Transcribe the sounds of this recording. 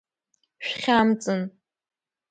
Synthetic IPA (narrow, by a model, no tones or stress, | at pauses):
ʃᶣχʲamt͡sʼɨn